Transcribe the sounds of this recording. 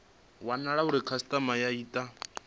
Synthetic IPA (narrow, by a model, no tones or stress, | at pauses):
wanaɺauɾikʰasi̥tʼamajaiːtʼa